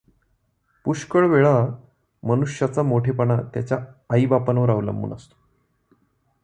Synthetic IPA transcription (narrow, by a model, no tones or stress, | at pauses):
puɕkəɭʋeɭa | mənuʂjat͡samoʈʰepəɳat̪jat͡ɕjaːibapənəʋəɾaʋlə̰mbṵːnə̰st̪o̥